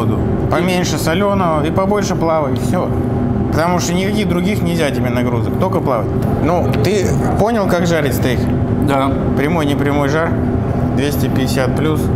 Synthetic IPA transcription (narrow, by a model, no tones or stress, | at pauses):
d̪ʊ | pɐmʲenʲʂɨsɐlʲonəvəipɐbo̞lʲʂɨplˠavətʲɪfsʲo | pə̥t̪ɐmuʂt̪onʲɪkɐkʲiɣd̪ɾʊɡʲixnʲɪvʲzʲatʲɪbʲe̞nɐɡɾuzəkt̪o̞kəplˠavətʲ | nu | t̪ɨ | po̞nʲɪlˠkakʐaɾʲɪtʲst̪exʲ | d̪a | pɾʲɪmo̞jnʲɪpɾʲɪmo̞jʐar | d̪vʲesʲtʲɪpʲɪdʲɪsʲat̪̚plʲus